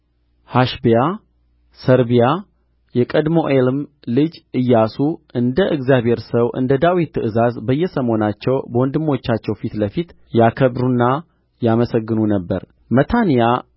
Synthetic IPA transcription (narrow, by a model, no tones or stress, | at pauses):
haʃbja | səɾbija | jɛkʼəd̪mo̞ʔelm | lɨd͡ʒɨjːasuʔɨnd̪əʔɨɡzijaβhe̞ɾsəwʔɨ̰nd̪əd̪awit̪ːɨʔɨzazbəjːɛsəmho̞nat͡ʃːɛwbəwɔnd̪ɨmːo̞t͡ʃːat͡ʃːɛwfit̪ləfit̪ | jakʰəβɾunːa | jaməsəɡːɨnunəbːə̰ɾ | mət̪ʰanija